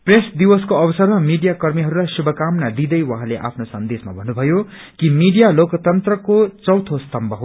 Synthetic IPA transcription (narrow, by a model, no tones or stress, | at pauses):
presd̪iwʌskoʌbʌsʌrmamiɖijakʌrmiɦʌɾulajsubʱʌkamnad̪id̪ʌjwʌ̃ɦãleʔa̰pʰnosʌnd̪esma̰bʱʌnːubʱʌjo | kimiɖijalokʌt̪ʌnt̪rʌkot͡sʌwt̪ʰost̪ʌmbʌɦo